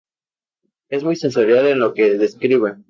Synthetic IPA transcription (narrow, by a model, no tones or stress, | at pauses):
e̞zmujsenseɾjalenlo̞keðe̞skɾiβen